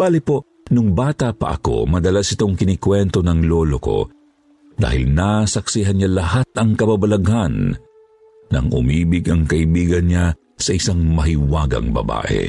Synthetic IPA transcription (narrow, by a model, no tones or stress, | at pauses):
b̥aːlɪpo | nʊŋbaːt̪ɐpɐ̰ʔɐ̰ko̞̰mɐd̪ɐlasɪt̪oŋkɪnɪkwɛnt̪o̞nɐŋloːloko̞̰ | d̪a̰ːhɪlnasɐksiɦɐnɲalɐhat̪̚ʔɐŋkɐbabɐlɐɡhanː | ɐ̰ŋʊ̰miːbɪɡɐŋkɐʔɪbiːɡɐnɲa | sɐʔɪsaŋmɐɦɪwaːɡɐ̰ŋbɐ̰ba̰ːʔɛ̰